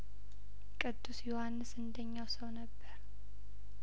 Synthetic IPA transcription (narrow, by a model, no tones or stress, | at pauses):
kʼɨd̪ːusjohanːɨsɨnd̪əɲːawsəwnəbːəɾ